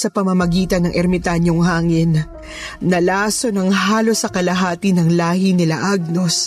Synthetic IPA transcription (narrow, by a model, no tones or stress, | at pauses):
sɐpɐmɐmɐɡiːt̪ɐnːɐŋʔɛɾmɪt̪aɲoŋhaːŋɪnː | ɐlaːso̞nɐŋɦaːlo̞sːɐkɐlɐɦaːt̪ɪnɐŋlaːhinɪlɐʔaɡ̚no̞s